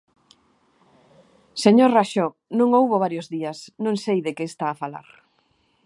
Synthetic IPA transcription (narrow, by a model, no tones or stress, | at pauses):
seɲoraʃo | nõŋowβoβ̞aɾjozðiɐsnõŋsejðekest̪aːfala̰ɾ